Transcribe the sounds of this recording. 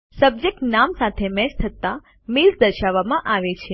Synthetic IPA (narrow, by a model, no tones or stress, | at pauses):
səb̚d͡ʒek̚ʈnamsat̪ʰemɛʃt̪ʰət̪a | milzd̪əɾʃaʋːamãʔaʋet͡ʃʰe